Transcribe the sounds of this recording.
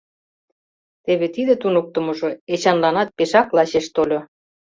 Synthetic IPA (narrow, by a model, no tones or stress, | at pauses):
t̪eβet̪id̪et̪unok̚t̪ə̆mŏʒoet͡ɕɑnlɑnɑt̪̚peʃɑklɑɕeʃt̪olʲo